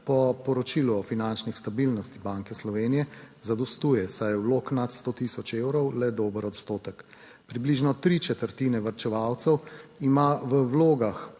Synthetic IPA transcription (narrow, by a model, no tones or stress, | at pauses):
pɔpɔɾɔt͡ʃiːluɔfinant͡ʃnixst̪abilnɔst̪ibaŋkɛslɔʋeːnijɛzad̪ɔst̪uːjɛsajwloːknat̪st̪ot̪isɔt͡ʃewɾɔwlɛd̪oːbəɾɔt̪st̪oːt̪ək | pɾibliʒnɔt̪ɾit͡ʃɛt̪əɾt̪iːnɛʋəɾt͡ʃɛʋawt̪sɛwimaʋəwloːɡax